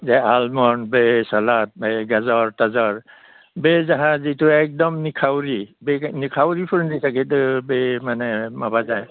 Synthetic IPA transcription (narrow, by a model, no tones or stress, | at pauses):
zɛalmɔnbesɔlat̚beɡazɔɹtazɔɹ | bezaɦãzituɛk̚dɔmnikʰawɾibenikʰawɾipʰuɹndisakʰitbemanɛmabazaj